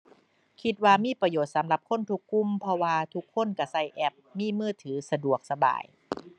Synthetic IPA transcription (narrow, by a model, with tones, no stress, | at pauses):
kʰi˧t̪̚waː˧miː˧˥˨pɾa˧joː˨˩t̪̚sa˩˦mla˧˩p̚kʰo˧˥˨nt̪ʰu˧˥kʰːu˧˥˨mpʰɔ˧waː˧t̪ʰu˧kʰːo˧˥˨nka˧˩sa˧˩jʔɛ˧˩p̚miː˧˥˨mɯː˧˥˩t̪ʰɯː˩˦sa˧du˨˩ək̚sa˧ba̰ː˨˩j